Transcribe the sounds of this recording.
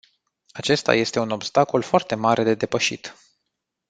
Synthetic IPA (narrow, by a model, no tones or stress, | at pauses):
at͡ʃe̞st̪a̰je̞st̪e̞uno̞bst̪ako̞lfoart̪e̞maɾʔe̞d̪e̞d̪e̞pəʃḭt̪